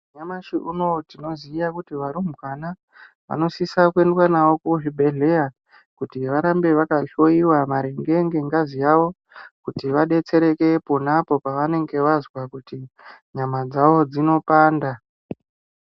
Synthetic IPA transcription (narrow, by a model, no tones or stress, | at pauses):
ɲamaʃiʔuno̞tino̞zijakutiʋaɾumubana | ʋa̰no̞sisakue̞ndwanaʋo̞kuʐibʱe̞ɮe̞ja | kutiʋaɾambe̞ʋakaɬo̞iwamaɾeŋɡe̞ŋɡe̞ŋɡazijaʋo̞ | kutiʋaɗe̞t͡se̞ɾe̞ke̞ponapo̞paʋane̞ŋɡe̞ʋazwakutiɲamad͡zaʋo̞d͡zino̞paːnda